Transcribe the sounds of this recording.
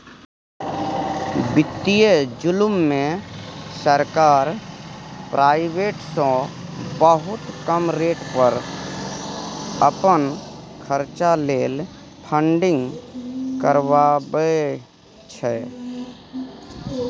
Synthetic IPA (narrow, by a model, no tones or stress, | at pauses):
bɪt̪ːijed͡ʒʊlʊmːẽsəɾkaːɾ | pɾʔaːɪbeːʈsɔ̃bəɦʊt̪kəmɾeːʈpəɾ | əpən | kʰəɾt͡ʃaleːl | pʰəɳɖɪ̃ŋɡkəɾwabə | t͡ʃʰɛ